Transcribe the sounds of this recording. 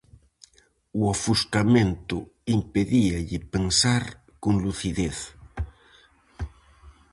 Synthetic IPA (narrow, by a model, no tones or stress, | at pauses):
uafuskamẽnt̪ʊimpeðiaʎɪpensaɾ | koŋluθiðeθ